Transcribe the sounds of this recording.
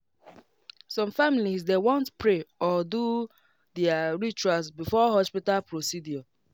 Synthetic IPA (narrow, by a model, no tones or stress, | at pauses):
sɔ̃mfamilisdewɔ̃ntpɹeɔdu | dɛaɹit͡ʃuasbifɔɦɔspitalpɹosidjɔ